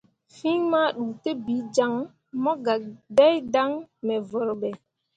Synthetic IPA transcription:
fi˦ŋmaː˦ɗuː˨te˦bi˨˦d͡ʒa˦ŋ | mɔ˦ɡa˨dɛ˦jda˦ŋmɛ˨vɔ˨ɾɓɛ˨

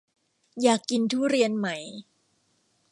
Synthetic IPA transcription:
jaː˨˩kːi˧nt̪ʰuː˥˩ɾi˧ənma˦j

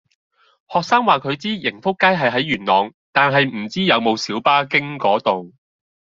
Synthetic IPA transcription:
hɔː˨k̚saː˥ŋwaː˨kʰɵ˨˧ɥt͡siː˥jɪ˨˩ŋfʊ˥kːaː˥jɦɐ˨jɦɐ˨˥jɥyː˨˩nlɔː˨ŋ | t̪aː˨nɦɐ˨jm̩˨˩t͡siː˥jɐ˨˧wmo˨˧wsiː˨˥wpaː˥kɪ˥ŋkɔː˨˥t̪ʊ˨ŋ

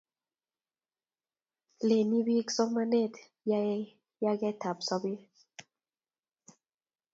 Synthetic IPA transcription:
le˨ni˦bi˦ksɔ˦kma˦ne˦˨t | j | ja˦ɡɛ˦ta˨psɔ˦bi˦

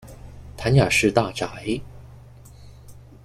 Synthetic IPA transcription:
t̪ʰa˧˥˦nja˨˩ʂɻ̩˥˧t̪a˥˩ʈ͡ʂa˨˩˦ɪ

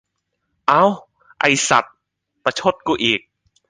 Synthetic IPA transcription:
ʔa˧˥w | ʔa̰˧˩jsa̰˨˩t̪̚ | pa˧t͡ɕʰo˧˥˩t̪̚kuː˧˩ʔiː˨˩k̚

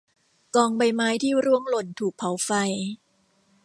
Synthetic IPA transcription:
kɔː˧ŋba˧jmaː˦˥jt̪ʰiː˥˩ɾu˥˩əŋlo˨˩nt̪ʰuː˨˩k̚pʰa˨˦wfa˧j

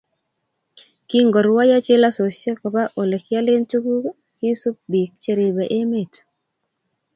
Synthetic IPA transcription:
ki˦ŋɡo˨ɾwa˦ja˦t͡ʃe˦la˦so˨sje˦kɔ˨ba˦ʔo˨le˨kja˦le˦ntu˦ku˦ | ki˦su˦p̚bi˨k̚t͡ʃe˦ɾe˨be˨ʔe˦me˨t

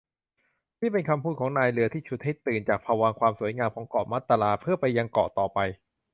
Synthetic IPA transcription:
t̪ʰiː˥˩pe˧nkʰa˧mpʰuː˥˩kʰɔː˩˦ŋnaː˧jlɯ˩˦ɐt̪ʰiː˥˩t͡ɕʰu˦˥t̪̚ha˥˩jt̪ɯː˨˩nt͡ɕaː˨˩k̚pʰaː˧waː˧ŋkʰwaː˧msu˩˦jŋaː˧mkʰɔː˩˦ŋkɔ̰ː˨˩ma˦˥˩t̪ːa˧laː˧pʰɯ˥˩ɐpa˧jːa˧ŋkɔː˨˩ʔt̪ɔː˨˩pa˧j

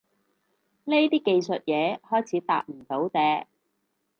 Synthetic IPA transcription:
ne˥t̪iː˥ke˧jsɵ˨t̚jɛː˨˧hɔː˥jt͡sʰiː˨˥t̪a̰ː˧˨k̚m̩˨˩t̪o˨˥wt̪ɛː˨˧

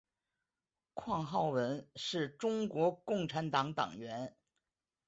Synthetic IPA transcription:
kʰwɑ˥˧ŋxɑ˥˩ʊwə˧˥nʂɻ̩˥˩ʈ͡ʂʊ˥ŋkwɔ˧˥kʊ˥˩ŋʈ͡ʂʰa˧˥nt̪ɑ˧˥ŋt̪ɑ̰˨˩ŋɥɛ˧˥n

